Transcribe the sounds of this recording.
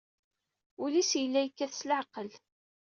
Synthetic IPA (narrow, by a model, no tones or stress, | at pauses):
ʊlisjəlːæjəkːæθsləʕqəl